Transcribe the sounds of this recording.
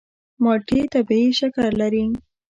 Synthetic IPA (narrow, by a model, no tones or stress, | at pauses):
mɑʈit̪abiiʃakaɾlaɾi